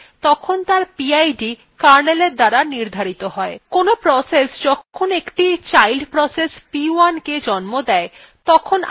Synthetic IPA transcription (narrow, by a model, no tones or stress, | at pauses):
t̪ɔkʰont̪aɾpiajɖi | kaɾneleɾd̪aɾaniɾd̪ʱaɾit̪oɦɔekonopɾɔsesd͡ʑɔkkʰonekʈit͡ɕajlɖpɾɔsespiuanked͡ʑɔnmod̪ɛe | t̪ɔkʰon